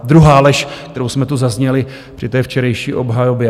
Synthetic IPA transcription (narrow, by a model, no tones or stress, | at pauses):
d̪ɾuɦaːlɛʃkt̪ɛɾowsmɛt̪uzazɲɛlɪ | pr̥ɪt̪ɛːft͡ʃɛɾɛjʃiːʔo̞bɦajobjɛ